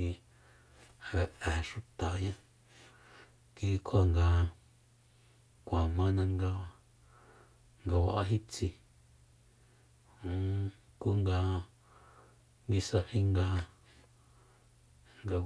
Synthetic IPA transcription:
i˧˨ | βe˨ʔẽ˨ʃu˦t̪a˨˦ɲã˦ | ki˧˦˧kʰo˦a˧ŋɡa˧ | kʷã˨mã˦nã˧ŋɡa˧a˧ | ŋɡa˧wa̰˧˨ʔa˦ɦi˦t͡si˧ | hũ˨˦ | ku˦ŋɡa˧ | ŋɡi˧sa˧hĩ˦ŋɡa˧ | ŋɡa˧

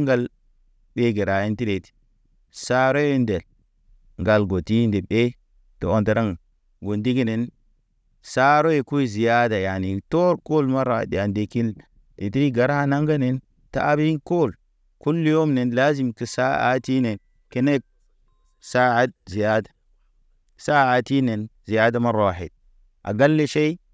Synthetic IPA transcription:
ŋɡa˦l | ɓe˦ɡe˨ɾa˨ji˦nti˦ɾe˨ti̥˨ | sa˦ɾo˦jnde˨l | ŋɡa˨lɡo˨ti˦nde˨ɓe˦ | to˨o˦nte˨ɾa˦ŋ | wu˨ndi˦ki˦ne˨n | sa˦ɾo˦je˨ku˦i˦zi˨ja˦da˨ja˨ni˨to˦ɾko˦lma˦ɾa̰˨di˨a˨nde˨ki˦l | e˨ti˦ɾi˦ɡa˨ɾa˦a˦na˦ŋɡa˦ne˨n | ta̰ː˦bi˦i˦nko˦˨l | ku˦lːi˦jo˦mne˨nla˦zi˨mki˨sa˦a̰˨˦ti˦ne˨n | ke˦ne˦k̚ | sa˦a˦t̚zi˨ja˦dḁ˨ | sa˦a˨ti˦ne˨nzi˨ja˦da˦ma˦ɾa˨hḛ˨t̚ | ʔa̰˨ɡa˦lːe˦ʃe˦i˦

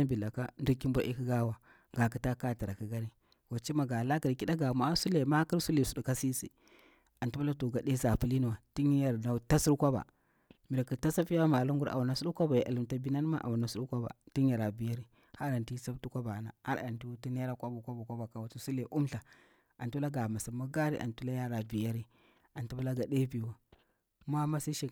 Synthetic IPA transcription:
a˦bi˨la˨ka˦n˦du˦ki˦mbʷa˨ʔi˦ki˦ɡa˦wa˨ | ɡa˨ki˦ta˦ka˦˨ti˨ɾa˨ki˨˦ɡa˦ɾi˦ | wa˨t͡ʃi˦ma˨ɡa˨la˦ki˨ɾki˦da˦ɡa˨ma˨a˦su˦le˨ma˦ki˦ɾsu˦le˨su˨du˨ka˦si˦sḭ˨ | a˨ntu˦a˦la˦to˨ɡa˨ɗe˦sa˨pu˦li˦nu˨wa˨ti˦n˦ja˦˨ɾna˨˦ta˦su˦ɾkʷa˦ba̰˨ | mi˨ɾa˨ki˨ta˦sa˦pi˦a˦ma˨lu˦ŋɡu˦ɾʔa̰˨a˨na˨su˦u˦kʷa˦ba˨jʔa̰˨li˨mta˨bi˦na˦n˦ma˦ʔa̰˨wa˨na˨su˦ɗu˦kʷa˦ba̰˨ti˦ɲ˦a˨ɾa˨bi˨ja˦ɾi˦ | ha˦ɾa˨nti˦sa˦btu˦kʷa˦ba˨na˨ha̰˦ɾa̰˨nti˦ti˦ne˦ɾa˦kʷa˦bu˨kʷa˦bu˨kʷa˦ba˨ka˨wa˨ti˦su˦le˨ʔu˦mɬa˨ | a˨ntu˦la˦ɡa˨ma˨sa˨ma˦ɡa˦ɾi˦ʔa̰˨ntu˦la˦ja˦ɾa˨bi˨ja˦ɾi˦ | a˨ntu˦pu˦la˦ɡa˨de˦bi˨wa˨ | ma˦ma˦si˦ʃi˨

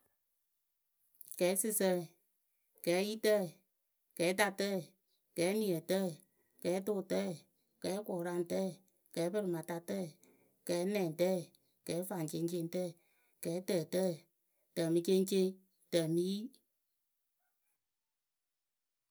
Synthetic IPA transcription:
kɛː˨˦sɨ˧sə˧˨ | kɛː˨˦ji˦tə˦˨ | kɛː˨˦ta˧tə˦˨ | kɛː˨˦nĩ˨ə˨tə˦˨ | kɛː˨˦to˦˨tɛ˦˨ | kɛː˨˦kɔː˨ɾa˧n˨tɛ˦˨ | kɛː˨˦bə˧ɾɨ˨mã˨ta˧tɛ˦˨ | kɛː˨˦nɛ̃ː˨tɛ˦˨ | kɛː˨˦fa˨t͡ʃe˧˦ŋt͡ʃe˧n˦tɛ˦˨ | kɛː˨˦tə˨tə˦˨ | tə˨mi˧t͡ʃe˦ŋ˦t͡ʃe˦ | tə˨mi˦i˦

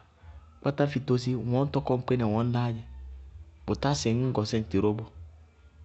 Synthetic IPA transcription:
k͡pa˦ta˦fi˨to˦s̬i˦˨wɔ̃˨˦n̩˦tɔ˦kɔ˦ŋ͡m̩˦k͡pe˦nɛ˨wɔ̃˨˦n̩˦la˦d͡ʒɛ˦ | bo˨ta˦sɛ˨ŋ̩˦ɡɔ˨sɛ˦n̩˨ti˨ɾo˦bo˦

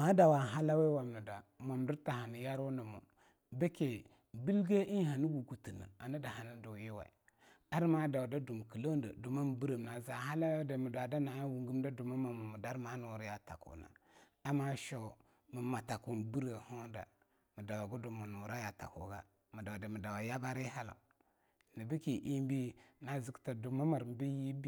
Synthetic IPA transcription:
ma˨˦da˨wa˨ɦa˦la˦we˦wa˨m˨ni˨da˨mo˨m˨du˦ɾta˨ɦa˨ni˨ja˦ɾu˦nə˨mṵ˨ | be˦ke˨ | bi˦lɡe˦ʔi˦n˦ɦa˨ni˦ɡu˨ɡu˨ti˨na̰˨a˨ni˦da˨ɦa˨ni˦du˨ji˦wa̰˨ḭ˨ | a˦ɾma˦da˨wda˦du˨m˨ki˨la˦da̰˨du˨ma˦m˨bi˦ɾə˨m˨na˨za˨ha˦la˦we˦de˨mu˨da˨da˦na˨˦wu˨ŋɡi˦m˦da˦du˨ma˦ma˨mu˨mu˨da˦ɾma˨˦nu˨ɾja˨ta̰˨kṵ˨na̰˨ | a˦ma˦ʃo˨ | mə˨ma˨ta˨ku˨m˨bi˦ɾə˨ho˦da̰˨ | mə˨da˨wa˨ɡu˦du˨mu˨nu˨ɾa˦ja˨ta̰˨kṵ˨ɡa˦ | mə˨da˨da˨mi˨da˨wa˨ja˦ba˦ɾi˦ɦa˦la̰˨ | ni˨bi˦ki˨ʔi˦m˦bi˦na˨zi˦kta˨du˨ma˦ma˨ɾm˨bi˦ji˦bi˦

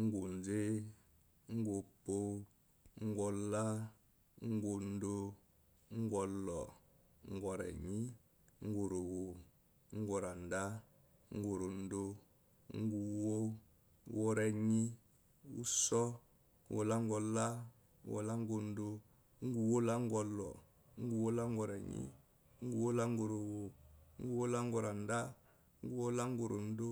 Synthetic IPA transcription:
ŋ̩˦ɡo˨n˨d͡ze˦ | ŋ̩˦ɡo˨po˦ | ŋ̩˦ɡʷɔ˨la˦ | ŋ̩˦ɡo˨n̩˦do˦ | ŋ̩˦ɡɔ˧lɔ˨ | ŋ̩˦ɡʷɔ˨ɾɛ̰˨ɲi˦ | ŋ̩˦ɡo˨ɾo˨wo˨ | ŋ̩˦ɡʷɔ˨ɾa˨n˨da˦ | ŋ̩˦ɡo˨ɾo˨n̩˦do˦ | ŋ̩˦ɡu˨wo˦ | wo˦ɾɛ˨ɲi˦ | ṵ˦sɔ˦ | wo̰˨la˦ŋ˦ɡɔ˨la˦ | wo̰˨la˦ŋ˦ɡo˨n̩˦do˦ | ŋ̩˦ɡu˨wo˦la˦ŋ˦ɡɔ˨lɔ̰˨ | ŋ̩˦ɡu˨wo˦la˦ŋ˦ɡɔ˨ɾɛ˨ɲḭ˦ | ŋ̩˦ɡu˨wo˦la˦ŋ˦ɡo˨ɾo˨wo˨ŋ̩˦ɡu˦wo˦la˦ŋ˦ɡɔ˨ɾa˨n˦da˦ | ŋ̩˦ɡu˨wo˦la˦ŋ˦ɡo˨ɾo˨n˦do˦

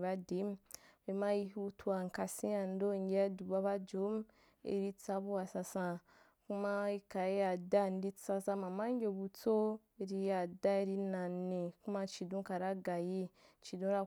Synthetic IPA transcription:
ba˦de˨˦m˦be˨ma˦i˧hu˦tʰu˦a˨ŋ˨ka˨sĩ˦a˨n̩˦do˦˨ŋ˦ɡʲe˦a˦du˨ba˦ba˦d͡ʒo˨˦m | ḛ˨ɾi˧t͡sa˧bu˦wa˨sa˧sã˧ | ku˦ma˦i˧ka˨˦ja˨da˦˨n˦di˦t͡sa˧sã˧ma˨ma˦ŋ˦ɡʲe˧bu˧t͡so˦ | e˧ɾi˧ja˨da˦i˧ɾi˧nã˨nːe˨ku˦ma˦t͡ʃi˨dõ˦ka˨ɾa˦ɡa˨ji˦t͡ʃi˨dõ˦ɾa˦

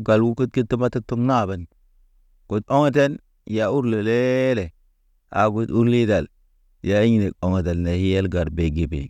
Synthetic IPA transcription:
ɡa˨lɡu˦ku˦t̚ki˦tːi˦ma˦ta˦tːu˦kna˦˨be˨n | ko˨t̚o˦ŋe˦te˦n | ja˨u˦ɾle˨le˦le˨ | a˨ɡu˦du˦ɾli˦da˨l | ja˨i˦ɲi˨ne˨ko˨ŋe˨te˨lne˨hi˦je˦lɡa˨ɾbe˨ɡi˨bḭ˨

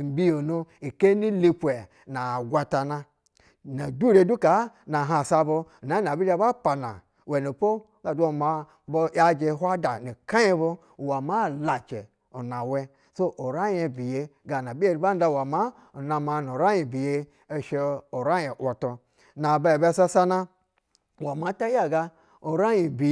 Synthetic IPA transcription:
m̩˨bi˦jo˨nu˧i˨ke˦ni˦li˦pu˨e˨ | na˨ɡʷa˧ta˨na˧ | na˨du˦ɾe˨˦du˦ka˨˦na˨ɦa˨sa˧bo˧˨na˨˦na˨bi˦a˦ba˦pa˨na̰˨ | we˨no˨po˦ | ɡa˨du˦o˨ma˧ | bo˧˦a˦d͡ʒe˧˦ɦʷa˦da˨ni˨ka˦je˦bo˧˨ | wa˨ma˦˨la˨t͡ʃe˨ | o˨na˨we˧ | so˦ʔo˨ɾa˦je˧bi˨je˧ɡa˨na˨bi˦e˦ɾba˦n˦da˧˨wa˨ma˦ | o˨na˧ma˧no˨ɾa˦ji˨bi˨je˧ | e˧ʃe˧o˨ɾa˦je˨ʔʷo˨to˧ | na˨ba˦e˨be˧˦˨sa˧sa˦na˧˨ | wa˨ma˨˦ta˦ja˦˨ɡa˧ | o˨ɾa˦ji˨bi˨

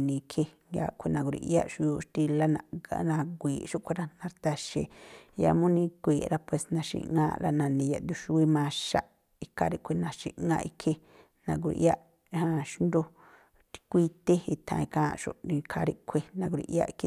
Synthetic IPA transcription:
nĩ˧kʰe˧ŋɡa̰˧˨kʷʰe˧nã˧ɡu˧ɾḭ˧ʔja˦ʔʃu˧ju˧ʃt̪i˧la˦nã˧a̰˧nã˧ɡʷiː˨ʃu˦ʔkʷe˧ɾa˦nã˧ɾt̪a˧ʃḛ˧˨ja̰˧mũ˦nĩ˧kʷiː˨ɾa˦˧pwe˧˨snã˧ʃḭ˧˨ŋãː˦˧ɾa̰˧nã˨nĩ˨˧ja̰˧˨d̪u˧ʃu˧i˦mãː˧ʃa̰˧ʔ | i˧kʰa˧ɾi˦˧kʷe˧nã˧ʃḭ˧˨ʔŋɡã̰ː˧ʔi˧kʰe˧ | nã˧ɡ̬u˧ɾḭ˧ʔja˦ʔ | hã˧ʃu˦nd̪o˧ | t̪i̥˧kʷi˧t̪e˦i˧t̪ʰã̰˧i˧kãː˦˧ʃṵ˧ʔnĩ˧kʰa˧ɾi˦kʷʰe˧nã˧ɡʷɾḭ˧ʔja̰˦ʔi˧kʰi˦

